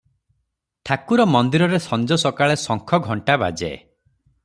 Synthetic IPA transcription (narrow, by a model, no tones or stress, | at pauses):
t̪ʰakuɾɔmɔnd̪iɾɔɾesɔnd͡ʒɔsɔkaɭesɔŋkʰɔɡʱɔɳʈaba̰d͡ʒḛ